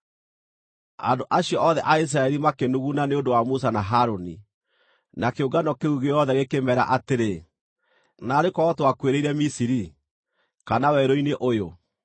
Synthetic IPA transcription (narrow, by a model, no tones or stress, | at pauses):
a̰ndoʔaɕjɔʔɔðɛʔais̬ɾaɛɾimakenuɣunaneondowamus̬anaɦaɾoni | nakeoɡanɔkeɣuɣeɔðɛɣekemɛɾa̰ʔateɾe | naːɾekɔːtowakweɾeiɾɛmisiɾi | kanawɛɾoineʔojo